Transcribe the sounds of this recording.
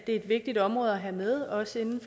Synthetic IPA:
d̥e̝æed̥ʋe̝ɡ̥̚d̥id̥ɒ̽mʁɔ̽ːð̞̩ˠɐɦæmeð̞ˠɒ̽səe̝nn̩f

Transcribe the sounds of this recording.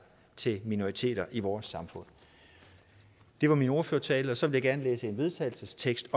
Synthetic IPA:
t͡sʰe̝mino̝ʁit͡sʰe̝̰ːd̥ɐʔiʋɒːsːɑ̈mfɔ̽n̰ | d̥e̝ʋɑ̈mino̝ɐføɐt͡sʰɛ̰ːləɒ̽sɒ̽ʋe̝ljɪɡæɐnleːsəe̝nʋe̝ð̞ˠt͡sʰɛ̰ːɪl̩səst͡sʰeɡ̥sd̥

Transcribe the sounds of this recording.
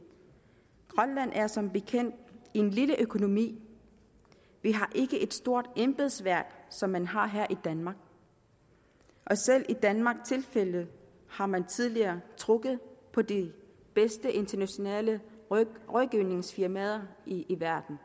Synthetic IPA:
ɡ̥ʁɒnlæn̰ʔæɐsɒ̽mb̥e̝kʰen̰d̥ie̝nliləʔøkʰo̝no̝mḭː | ʋiɦɑ̈ʔe̝ɡ̥əʔe̝d̥sd̥o̝ɐ̰d̥emb̥e̝ðˠsʋæɐ̰ɡ̥sɒ̽mːænɦɑ̈ɦæɐ̰ʔid̥ænmɑ̈ːɡ̥ | ʔɒ̽sel̰ʔid̥ænmɑ̈ɡ̥t͡sʰe̝lfel̰ð̩ˠ | hɑ̈mænt͡sʰið̞ˠliɐːt͡sʰʁɔ̽ɡ̥ð̞̩ˠpʰɒ̽d̥i | b̥esd̥əʔe̝nt͡sʰɐnæɕo̝nɛ̰ːlə | ʁɒðˠɡ̥iʊ̰ne̝ŋsfiɐmɛðˠɐiiʋæɐ̰d̥n̩

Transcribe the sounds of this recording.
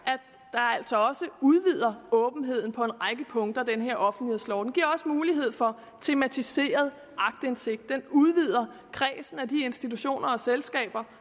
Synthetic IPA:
ʔæ | d̥ɑ̈æl̰sɒ̽ɒ̽səuð̞ˠʋið̰ˠɐɔ̽ːb̥n̩ɦe̝ð̞̰ˠn̩pʰɒ̽e̝nʁɑɪɡ̥əpʰɔ̽ŋd̥ɐæd̥enəɦe̝ɐ̰ɒ̽fn̩d̥lislɒ̰ʊd̥enɡ̥iɐɒ̽səmuːliɦe̝ð̞̰ˠfɒ̽ | t͡sʰe̝mæt͡sʰise̝̰ːɐð̞ˠ | ʔɑ̈ɡ̥̚d̥əe̝nse̝ɡ̥̚d̥ːenuð̞ˠʋið̞̰ˠɐ | kʰʁɛːsn̩æd̥ie̝nsd̥it͡sʰuɕo̝̰ːnɐɒ̽selsɡ̥ɛ̰ːb̥ɐ

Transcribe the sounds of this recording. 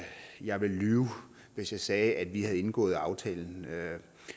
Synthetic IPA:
jɑ̈ɪʋe̝lyːʊ | ʋe̝sjɑ̈ɪsɛːʔæd̥ʋihæð̩ˠe̝nɡ̥ɔ̰̽ːð̞̩ˠɑ̈ʊt͡sʰɛ̰ːln̩

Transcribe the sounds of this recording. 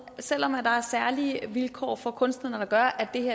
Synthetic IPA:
sel̰ɒ̽mæd̥ɑ̈æɐsæɐliəʋilkʰɒ̰ːfɒ̽kʰɔ̽nsd̥ðnəd̥ɑ̈ɡ̥ɶɐʔæd̥e̝heɐ

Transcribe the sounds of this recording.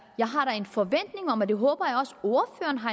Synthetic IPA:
jɑ̈ɪɦɑ̈ɾɑ̈e̝nfɒ̽ʋen̰d̥ne̝ŋɒ̽mæd̥e̝ɦɔ̰ːb̥ɐjɑ̈ɒ̽so̝ɐfø̰ːɐnɦɑ̈

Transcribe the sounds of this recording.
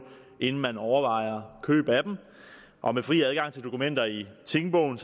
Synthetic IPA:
ʔe̝nn̩mænɒʊɐʋɑ̈ɪ̰ɐkʰø̰ːb̥æd̥m̩ | ʔɒ̽mefʁḭːæð̞ˠɡ̥ɑ̈ŋ̰t͡sʰe̝ld̥o̝kʰumen̰d̥ɐit͡sʰe̝ŋb̥ɔ̽ʊ̰n̩s

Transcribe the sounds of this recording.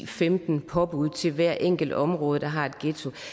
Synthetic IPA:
femd̥n̩pʰɒ̽b̥uð̞̰ˠt͡sʰe̝lʋæɐ̰ʔeŋ̰ɡ̥l̩d̥ɒ̽mʁɔ̽ːð̞ˠəd̥ɑ̈ɦɑ̈e̝d̥ɡ̥et͡sʰo̝

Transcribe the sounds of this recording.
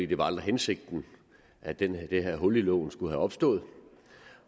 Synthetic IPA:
ḭːd̥e̝ʋɑ̈ɑld̥ʁɐɦense̝ɡ̥̚d̥n̩ | ʔæd̥end̥eɦæɐ̰ɦɔ̽lilɔ̰ʊ̰n̩sɡ̥uɦæɒ̽b̥sd̥ɔ̰̽ːð̩ˠ

